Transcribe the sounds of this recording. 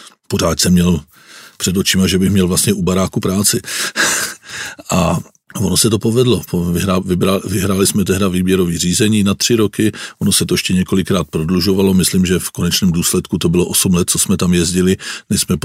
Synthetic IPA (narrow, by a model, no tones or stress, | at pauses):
po̞r̝aːt̪sɛmɲɛl | pr̥ɛdot͡ʃɪmaʒɛbɪxmɲɛlvlast̪ɲɛʔubaɾaːkupɾaːt͡sɪ | ʔa | vono̞sɛt̪o̞po̞vɛdlo̞pvɪɾavɪbɾavɪɦɾaːlɪsmɛt̪ɛɦdaviːbjɛɾo̞viːr̝iːzɛɲiːnat̪r̝̥ɪɾo̞kɪʔono̞sɛt̪oɛʃcɛɲɛko̞lɪkɾaːt̪̚pɾodluʒo̞valo̞mɪslimʒɛfko̞nɛt͡ʃnɛːmduːslɛt̪kut̪o̞bɪlo̞ʔo̞sumlɛt̪̚t͡so̞smɛt̪amjɛzɟɪlɪmɪsmɛ